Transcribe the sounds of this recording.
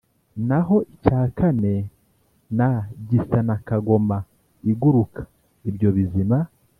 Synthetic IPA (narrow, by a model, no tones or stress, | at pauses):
naɦo̞ʔicaːkane̞ | naɟisanakaɡo̞ma | iɡuɾukʰḁ | ibɟo̞βizima